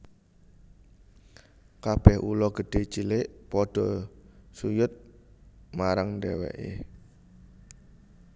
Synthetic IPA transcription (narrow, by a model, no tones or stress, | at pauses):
kab̥ɛhulɔɡ̥əɖ̥e̤t͡ʃilɪʔpɔɖ̥ɔsujʊt̪̚ | maɾaŋndɛwɛ̰ʔḛ